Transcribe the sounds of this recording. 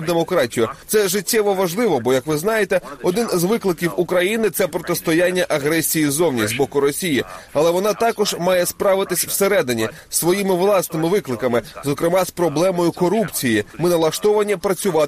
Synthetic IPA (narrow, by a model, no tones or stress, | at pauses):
d̪emɔkɾɑtʲijʊt̪sɛʒɪtʲːɛʋɔʋɐʒlˠɪʋɔbɔjɐkʋɪznɑjet̪ɛɔd̪ɪnzʋɪklˠɪkʲiwukɾɐjinɪt̪sɛpɾɔt̪ɪst̪ɔjanʲːɐʔɐɦɾɛsʲijizɔwnʲizbɔkʊɾɔsʲijiɐlˠɛʋɔnɑt̪ɑkɔʒmɑjɛspɾɑʋɪt̪ɪsʲwseɾɛd̪ɪnʲi | sʋɔjimɪʋlˠɑsnɪmɪʋɪklˠɪkɐmɪzɔkɾɪmɑspɾɔblˠɛmɔjʊkɔɾupt͡sʲijimɪnɐlˠɐʃt̪ɔʋɐnʲipɾɐt͡sʲʊʋɑ